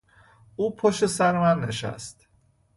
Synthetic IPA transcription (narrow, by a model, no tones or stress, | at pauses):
uːpʰoʃesæɾemænːeʃæ̰st̪